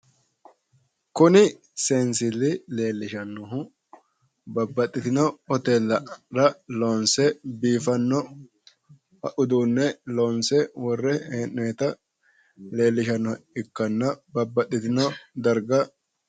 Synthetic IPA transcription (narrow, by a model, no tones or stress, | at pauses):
kʊnɪ | seːnsɪlːɪle̞ːlːɪʃɐnːɔɦʊ | bɐbːɐt̪ʼːɪt̪ɪnɔɔt̪eːlːɐɾɐloːnsɛbiːfɐnːɔ | hɐʔʊd̪uːnːɛloːnsɛwɔrːɛheːneːt̪ɐ | le̞ːlːɪʃɐnːɔɪkːɐnːɐbɐbːɐt̪ʼːɪt̪ɪnɔd̪ɐɾɡɐ